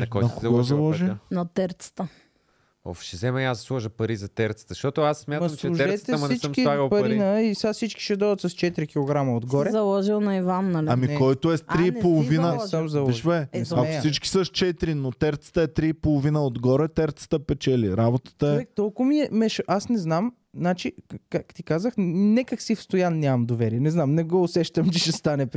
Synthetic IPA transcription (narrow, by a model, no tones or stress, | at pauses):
ɐkɔjɐkoɡɔzɐlˠɔʒinɐt̪ɛɾt̪sə̥t̪ə | o̰fʃɛzɛmɛiasslˠɔʒəpɐɾizɐt̪ɛɾt̪sə̥t̪əʃt̪ɔt̪ʊasːmjatmɐɐmt͡ʃ̪lɛuʒɛɾɛt̪ɛɐmɐnsit͡ʃmkiaɡəpɐɾɾiinəisasit͡ʃki̥ʃɛd̪ɔd̪ɐt̪sɐst͡ʃɛt̪iɾik̟ilˠoɡɾamɐod̪ɡɔɾɛzɐlˠɔʒilˠnɐivanːɐliɐmikɔjt̪oɛstɾiːpolˠovinəsamzɐlˠɔiʃvɛɛakosit͡ʃki̥səst͡ʃɛt̪ɾinot̪ɛɾt̪sə̥t̪əɛt̪ɾiːpolˠovinəod̪ɡɔɾɛt̪ɛɾt̪sə̥t̪əpɛt͡ʃɛlḭɾabot̪ə̥t̪əɛɛkt̪ɔlˠkʊmiɛmɛʃʔasnɛznam | nat͡ʃikakt̪ikazəxnɛkəksifst̪ojannʲamɐmd̪ovɛɾiɛnɛznamnɛɡoʊsɛʃt̪əmt͡ʃɛʃɛst̪anɛpɾ